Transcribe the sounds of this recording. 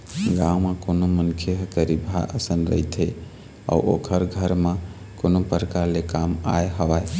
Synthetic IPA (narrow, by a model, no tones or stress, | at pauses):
ɡãwmãkonomənkʰjeɦəkəɾibʱaʔəsənɾə̰it̪e | ɔ̰uʔokʰəɾɡʱəɾmã | konopəɾəkaɾlekama̰eɦəʋa